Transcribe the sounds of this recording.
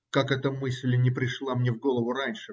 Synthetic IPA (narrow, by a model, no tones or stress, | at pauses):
kakɛt̪əmɨsʲlʲnʲɪpɾʲɪʂlˠamnʲe̞vɡo̞lˠəvʊɾanʲʂɨ